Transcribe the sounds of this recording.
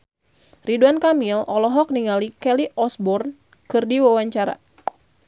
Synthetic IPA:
riduankamilɔlɔɦɔk̚niŋalikɛliʔɔsbɔrn | kɨrdiwawaɲt͡ʃaɾa̰

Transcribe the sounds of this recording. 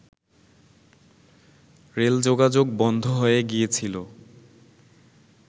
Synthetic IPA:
ɾeld͡ʑoɡad͡ʑok̚bɔnd̪ʱoɦoeɡijet͡ɕʰilo

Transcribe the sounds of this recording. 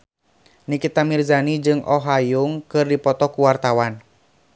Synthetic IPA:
nikit̪amirzanid͡ʒɨŋʔɔɦajʊŋkɨrdipɔt̪ɔkuwart̪awan

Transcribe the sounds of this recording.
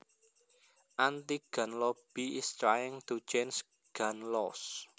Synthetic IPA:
ʔant̪iɡ̥a̤nlɔb̥iɪst̪ɾajɪŋt̪ut͡ʃens | ɡ̥anlɔs

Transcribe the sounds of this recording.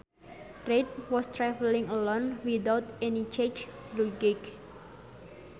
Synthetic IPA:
ret̪̚wɔst̪ɾɛvəlɪ̃ŋəlonwidawt̪ɛnit͡ʃet͡ʃ | luɡɪk

